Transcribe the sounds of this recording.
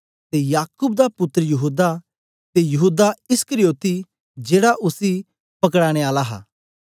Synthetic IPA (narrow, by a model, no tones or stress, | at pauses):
t̪ejaːkʊːbd̪apʊt̪ːəɾəjɐɦuːd̪a | t̪ejɐɦuːd̪aɪskəɾijoːt̪i | d͡ʒeːɽaʔʊsi | pɐkɽaːɽ̃eaːlaɦa̰ː